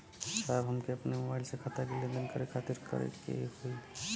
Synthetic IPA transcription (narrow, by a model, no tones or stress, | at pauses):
sajbɦəmkeəpnemobaɪlsekʰat̪akelẽnd̪ənkəɾekʰat̪iɾkə̰ɾḛkḛhoi